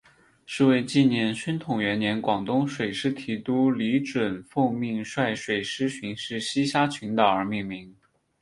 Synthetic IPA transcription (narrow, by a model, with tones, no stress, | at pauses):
ʂɻ̩˥˧we˥˧ɪt͡ɕi˥˩njɛ˧˥nɕə˥nt̪ʰʊ˨˩ŋɥɛ˧˥njɛ˧˥nkwɑ˨˩ŋt̪ʊ˥ŋʂwe˨˩ɪʂɻ̩˥t̪ʰi˧˥t̪u˥li˧˥ʈ͡ʂwə˨˩nfu˥˧ŋmi˥˧ŋʂwa˥˩ɪʂwe˨˩ɪʂɻ̩˥ɕʰy˧˥ŋʂɻ̩˥˩˧ɕi˥ɕja˥t͡ɕʰy˧˥nd̪ə˥˩ə˞˧˥mi˥˩ŋmi˧˥ŋ